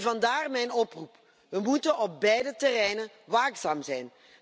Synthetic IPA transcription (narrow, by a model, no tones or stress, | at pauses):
vɑndaːrmɛjnɔprup | ʋəmutənɔb̚bɛjdətɛrɛjnən | ʋaːksaːmzɛjn